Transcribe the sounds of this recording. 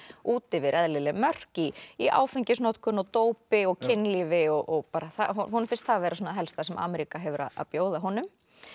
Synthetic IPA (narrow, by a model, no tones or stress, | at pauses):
uːt̪ɪvɪɾʔɛðlɪlɪmœr̥ciiʔa̰ːwfɪɲcɪsnɔt̪kʏnɔwt̪oːwpɪɔɣcʰɪnːlivɪɔɣʔɔɣpaːɾaθaɦɔhɔnʏfɪnst̪haðavɛːɾasɔːnaɦɛlst̪asɛmʔa̰ːmɛɾikaɦɛvʏɾa̰a̰ðpjoːwðaɦɔnʏm